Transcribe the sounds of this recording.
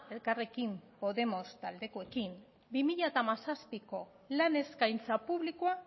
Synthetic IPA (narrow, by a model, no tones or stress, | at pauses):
e̞lkare̞kimpo̞ðe̞mo̞st̪ald̪e̞koe̞kim | bimiʎat̪amasaspiko̞ | lane̞skajnt͡sapuβlikoa